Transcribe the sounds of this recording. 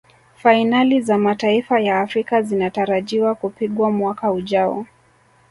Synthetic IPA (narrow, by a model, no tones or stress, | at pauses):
fainalizamataifajaːfɾikazinataɾaʄiwakupiɠwamwakauʄaɔ̰